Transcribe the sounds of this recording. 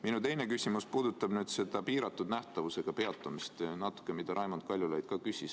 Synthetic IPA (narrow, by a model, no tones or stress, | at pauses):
minut̪e̞jne̞kysʲimuspuːd̪̥ut̪ːˑɑb̥nyːd̪̥se̞d̪̥ɑpiːɾɑt̪ːˑud̪̥næht̪ɑvuse̞ɡ̥ɑpe̞ɑt̪ːˑumist̪nɑt̪ːˑu̥kːˑemid̪̥ɑɾʔɑjmont̪̚kɑlʲjulɑjd̪̥̚kɑkysʲis